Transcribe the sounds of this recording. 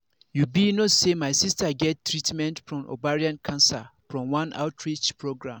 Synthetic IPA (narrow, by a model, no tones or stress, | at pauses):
jubinosemaɪsistaɡɛttʰːɹitmɛ̃ntfɹɔ̃mo̰baɹiãnkʰãnsafɹɔ̃mwãna̰ʊtʰɹit͡ʃpʰɹoɡɹãm